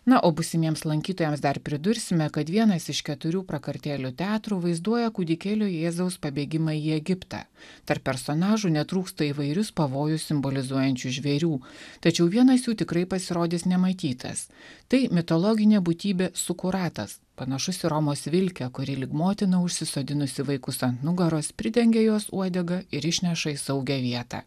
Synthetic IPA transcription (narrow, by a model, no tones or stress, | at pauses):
nɐʔoːbʊsʲɪmʲiɛmslˠɐŋʲkʲiːt̪oːjɛmsd̪ɐɾpʲɾʲɪd̪ʊɾʲsʲɪmʲɛkɐt̪ʋʲiɛnɐsɪʃkʲɛt̪ʊɾʲuːpɾɐkɐɾʲt̪ʲæːlʲʊt̪ʲɑːt̪ɾuːʋɐɪzd̪uɔjɛkʊd̪ʲɪkʲeːlʲoːjeːzɐʊspɐbʲeːɡʲɪmɑiːɛɡʲɪpt̪ɑ̰ːt̪ɐɾpːʲɛɾsoːnɑːʒunʲɛt̪ɾuːkst̪ɐiːʋɐɪɾʲʊspɐʋoːjʊssʲɪmbolʲɪzuɔjɛnʲt͡ʃʲuʒʲʋʲɛɾʲuːt̪ɐt͡ʃʲɛʊʋʲiɛnɐsjuːt̪ʲɪkɾɐɪpɐsʲɪɾoːd̪ʲɪsnʲɛmɐt̪ʲiːt̪ʰɐ̰s | t̪ɐɪmʲɪt̪olˠɔːɡʲɪnʲeːbut̪ʲiːbʲeːsʊkʊɾɑːt̪ɐ̰s | pɐnɐʃʊsʲɪɾɔmoːsʋʲɪlʲkʲɛkʊɾʲɪlʲɪɡmoːt̪ʲɪnɐʊʃʲsʲɪsoːd̪ʲɪnʊsʲɪʋɐɪkʊsɐnt̪nʊɡɐɾoːspʲɾʲɪd̪ʲɛŋʲɡʲeːjoːsuɔd̪ʲɛɡɐɪɾɪʃʲnʲɛʃɐisɐʊɡʲɛʋʲiɛt̪ɑ̰ː